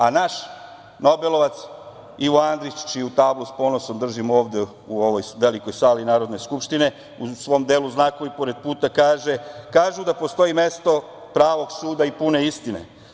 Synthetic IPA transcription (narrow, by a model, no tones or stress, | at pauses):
anaʃ | no̞be̞lo̞ʋat̪s | iʋoand̪ɾit͡ʃt͡ʃiut̪aːbluspo̞noso̞md̪r̩ʒimo̞ːʋd̪e̞ | uo̞ʋojʋe̞liko̞jsaːlinaːɾo̞d̪ne̞skupʃt̪ine̞ | usʋo̞md̪eːluznakoʋipo̞ɾed̪̚puːt̪akaːʒe̞kaːʒud̪apo̞st̪o̞ime̞st̪o̞ | pɾaːʋo̞ɡsuːd̪aipune̞ist̪ine̞̰